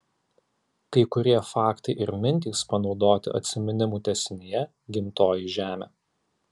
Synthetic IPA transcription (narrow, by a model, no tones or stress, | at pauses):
kɐɪkʊɾʲiɛfɑːkt̪ɐɪʔɪɾmʲɪnʲt̪ʲiːˑspɐnɒʊd̪oːt̪ʲɪ̰ʔɐ̰t̪ʲsʲɪmʲɛnʲɪmuːt̪ʲɛsʲɪnʲɪjɛ | ɡʲɪmʲt̪oːjiʒʲæːmʲḛː